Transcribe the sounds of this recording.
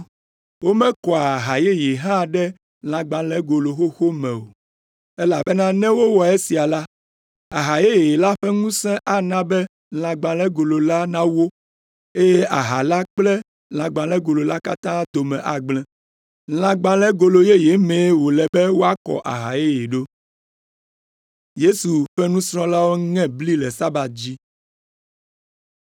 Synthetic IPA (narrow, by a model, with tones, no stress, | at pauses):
wo˦mɛ̃˦kɔ˨a˨ɦa˨je˦je˨ɦã˦ɖɛ˦ | l̃ã˨ɡ͡bã˨lɛ̃˦ɡo˨lo˨xo˦xo˦mɛ̃˨o̰˨ | e˦la˨bɛ˦nã˦nɛ̃˦wo˦wɔ˨e˦si˨a˨la˦ | a˨ɦa˨je˦je˨je˨la˦ɸɛ˦ŋũ˦sɛ̃˦ʔa˦nã˦bɛ˦ | l̃ã˨ɡ͡bã˨lɛ˦ɡo˨lo˨la˦nã˦wo˦ | e˦je˦ʔa˨ɦa˨la˦k͡plɛ˦ | l̃ã˨ɡ͡bã˨lɛ˦ɡo˨lo˨la˦ka̰˦t̪ã˦d̪o˨mɛ̃˨ʔa˨ɡ͡blɛ̃˨ | l̃ã˨ɡ͡bã˨lɛ˦ɡo˨lo˨je˦je˨˦mɛ̃˨˦wo˨lɛ˨bɛ˦wo˦a˦kɔ̰˨ʔa̰˨ɦa˨je˦je˨ɖo˦ | je˦su˨ɸɛ˦nũ˦sɾ̃ɔ̃˦la˦wo˦ŋɛ̃˦bli˦lɛ˨sa˦ba˨t̪̚d͡ʑi˦